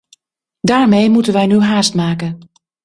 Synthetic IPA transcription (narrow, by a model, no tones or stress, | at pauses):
daːɹmejmutənʋɛjnyɦaːstmaːkən